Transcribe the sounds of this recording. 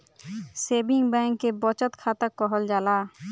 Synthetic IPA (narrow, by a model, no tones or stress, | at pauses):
seːbɪŋɡbɛ̃ŋkːebɔt͡ʃət̪kʰaːt̪əkːɔɦəld͡ʒaːlaː